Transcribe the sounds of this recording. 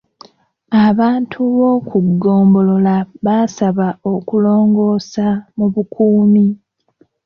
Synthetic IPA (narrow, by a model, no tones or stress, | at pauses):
aβaːntʰuβo̞kʰuɡːoːmbo̞lo̞laβasaβaokulo̞ːŋɡo̞ːsamuβukʰuːmi